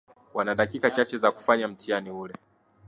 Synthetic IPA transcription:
wanaɗakikat͡ʃat͡ʃɛzaku̥faɲam̩tʰianiulɛ

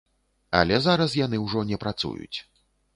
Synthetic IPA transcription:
a̰lʲɛzaɾɐs̬janɨwʐɔnʲɛpɾat̪sṵjṵt͡sʲ

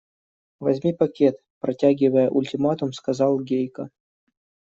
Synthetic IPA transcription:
vɐzʲmʲipɐkʲet̪ | pɾɐtʲæɡʲɪvəjəʔʊlʲtʲɪmat̪ʊmskɐzɑlˠɡʲejkə

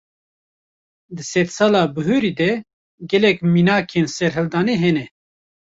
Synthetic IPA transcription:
d̪ɨsɛt̪sɑːlɑːbɨɦøːɾiːd̪ɛ | ɡɛlɛkminaːkʰensɛɾɦɨld̪ɑːneːɦɛnɛ

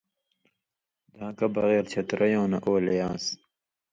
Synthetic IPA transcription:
d̪ãːkɐbɐɣeːɾt͡ɕʰɐt̪ɾɐjõːnɐʔoːljãːs

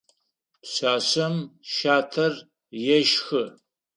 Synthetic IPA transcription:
pɕaːɕɐmʃaːtʰɐr | jɛʃxɨ

